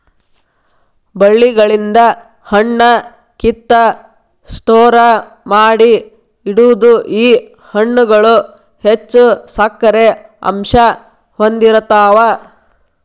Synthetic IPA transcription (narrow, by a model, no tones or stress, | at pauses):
bɐɭːiɡɐɭind̪ɐ | hɐɳːɐ | kit̪ːɐ | sʈɔːɾɐ | maːɽi | iɽuʋud̪uʔiː | hɐɳːuɡɐɭu | het͡ʃːusɐkːɐɾeɐ̰mʃɐ | hond̪iɾɐt̪aːʋɐ